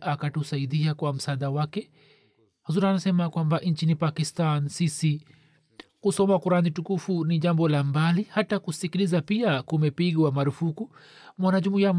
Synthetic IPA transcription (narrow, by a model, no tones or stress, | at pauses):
ʔakatusaiɗiakwam̩saɗawakɛ | hazuɾanasɛmakwambaʔɲt͡ʃinipakistansisi | kusɔmakuɾanitukufuniʄambɔlambalihatakusikilizapiakumɛpiɠwamaɾufuku | mwanaʄumuijam